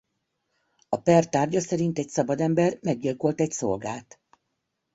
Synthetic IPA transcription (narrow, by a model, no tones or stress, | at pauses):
ɒpɛrt̪aːrɟɒsɛɾint̪ɛcsɒbɒd̪ɛmbɛrmɛɡːilko̞lt̪ɛcso̞̰lɡaːt̪